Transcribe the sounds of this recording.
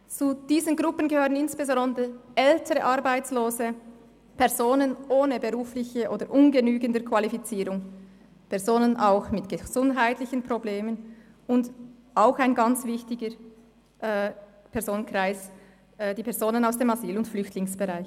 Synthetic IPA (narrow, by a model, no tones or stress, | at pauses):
t͡sud̥iːzənɡʁʊpənɡəhøːʁənɪnsb̥ezɔndəɛltʰəʁəʔɑʁbaɪt͡sloːzə | pʰɛʁzoːnənʔoːnəbeʁuːflɪçəʔoːdəɾʔʊnɡənyːɡəndəkv̥alifit͡siːɾʊŋ | pʰɛɐzoːnənʔaʊxmɪtɡ̥əz̥ʊndɦaɪtlɪçən̩pʁobleːmən | ʊnd | ʔaʊxaɪnɡɑnt͡sv̥ɪçtɪɡə | ʔɛ | pʰɛʁzoːnənkʁ̥aɪs | ɛd̥iːpʰɛɐzoːnənaʊsd̥eːmaziːlʊntflʏçtʰlɪŋsb̥eʁaɪç